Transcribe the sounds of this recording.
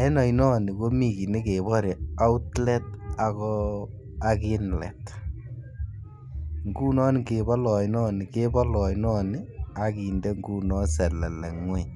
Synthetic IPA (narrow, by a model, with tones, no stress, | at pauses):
ɛ˦nɔ˨inɔ˦ni˨ko˦mi˨ki˨ne˦ke˨βɔ˦ɾe˨a˦u˦tlɛ˦t̚a˨kɔ˦ | aki˦nlɛ̰˨t | ŋɡuː˦nɔ˦ni˦ke˨bɔ˦lɔ˨jnɔː˦ni˨ke˦bɔ˦lɔ˨inɔ˦ni˦a˦ki˨ndɛ˦ŋɡu˦nɔ˦sɛ˨lɛ˨lɛ˨ŋe˦